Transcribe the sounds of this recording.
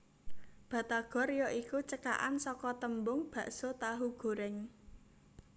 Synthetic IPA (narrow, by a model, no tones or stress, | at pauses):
b̥ä̤t̪aɡ̥ɔ̤rjɔʔikut͡ʃəka̰ʔansɔkɔt̪əmbʊŋb̥ä̤ʔsot̪aɦuɡ̥o̤ɾɪŋ